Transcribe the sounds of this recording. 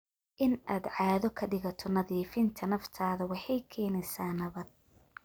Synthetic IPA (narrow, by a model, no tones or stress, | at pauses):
ʔɪnaːd̪ʕɑːðɔkʰɐɖɪɣɐt̪ʰɔnɐðiːfɪnt̪ʰɐnɐft̪ʰaːðɐwɑħɑjkʰɛːnɛsaːnɐβɐd̪̚